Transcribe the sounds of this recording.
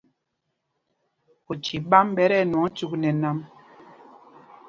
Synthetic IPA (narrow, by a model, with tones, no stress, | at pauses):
o˨t͡ʃi˨ɓa˦mɓɛ˦ɾɛ˦˨nɔ˨˦t͡ʃu˦knɛ˨na˦m